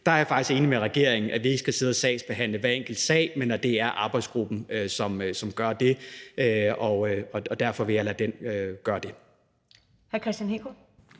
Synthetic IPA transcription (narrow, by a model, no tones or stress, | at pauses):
d̥ɑ̈ɐjɑ̈fɑ̈ɡ̥isɡ̥e̝ːnimeʁɛɡ̥e̝ɐ̰eŋn̩ʔæʋie̝ɡ̥əsɡ̥æse̝ð̞ˠəsɛ̰ːɪsb̥e̝ɦæn̰ləʋæɐeŋɡ̥l̩d̥sɛ̰ːɪmenæd̥e̝æɐʔɑ̈ːb̥ɑ̈ɪdsɡ̥ʁub̥n̩øsɒ̽msɒ̽mɡ̥ɶɐd̥e̝øɒøɒ̽ɒ̽d̥æɐfɒ̽ʋe̝jɑ̈læd̥enøɡ̥ɶɐd̥e̝ | hæɐkʰʁɛsd̥ænekʰo